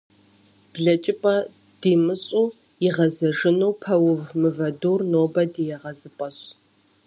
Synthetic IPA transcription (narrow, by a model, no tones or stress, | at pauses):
b̥ɮɐt͡ʃʼɪpʼɐ | d̥iːmɨɕʼuː | jɪʁɐzɐʒɨnuwpʰɐwʊvmɨvɐduːrnoːbɐdijɛʁɐzɨpʼɐɕ